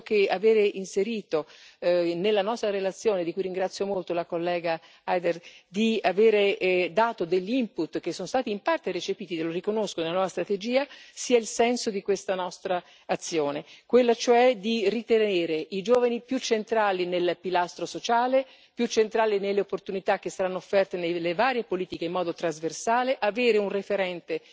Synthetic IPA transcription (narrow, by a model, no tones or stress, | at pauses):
k̟eaveːɾeʔinseɾiːt̪o | nelːanɔst̪ɾaɾelat̪sːjoːned̪ikujɾiŋɡɾat̪sːjomolt̪olakolːɛːɡa | ajd̪erd̪iaveːɾed̪aːt̪od̪eʎːiimput̪ːk̟esːonost̪aːt̪iːmpart̪eɾet͡ʃepiːt̪id̪eloɾikonoskonelanwɔːvast̪ɾat̪ed͡ʒiːasiːailsɛnsod̪ikwest̪anɔst̪ɾaː | t̪sːjoːnekwelːat͡ʃoɛd̪irit̪eneːɾeʔid͡ʒoːvanipjut͡ʃːent̪ɾaːlinelpilast̪ɾosot͡ʃaːle | pjut͡ʃːent̪ɾaːlinelːeopːort̪unit̪ak̟ːesːaɾanːoofːɛrt̪enelːevaːɾjepoliːt̪ikeimːɔːd̪ot̪ɾazversaːleʔaveːɾeunrefeɾɛnt̪e